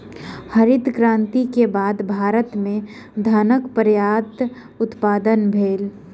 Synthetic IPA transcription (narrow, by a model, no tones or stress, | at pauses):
həɾɪt̪kɾãːnt̪ikebaːd̪bʱaːɾət̪mẽ | d̪ʱaːnəkpəɾjaːt̪ | ʊt̪paːd̪ənbʱeːl